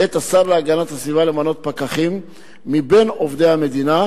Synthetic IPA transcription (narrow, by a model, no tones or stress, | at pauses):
et̪asaʁleaɡanat̪asvivalemano̞t̪̚pakaχimː | ibe̞no̞vd̪ejhame̞d̪ina